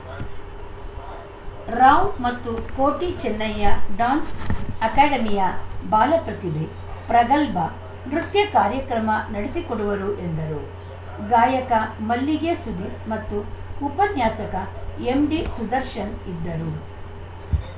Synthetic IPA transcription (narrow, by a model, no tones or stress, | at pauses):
ɾaːwmɐt̪ːukoːʈit͡ʃɛnːɐjːɐɖaːnsɐkaːɖɐmijɐbaːlɐpɾɐt̪id̪e | pɾɐɡɐlbɐ | nɾut̪jɐkaːɾjɐkɾɐmɐnɐɽesikoɽuʋɐɾuʔe̞nd̪ɐɾu | ɡaːjɐkɐmɐlːiɡesud̪imɐt̪ːuupɐnjaːsɐkɐemɖisud̪ɐɾʃɐnid̪ːɐɾu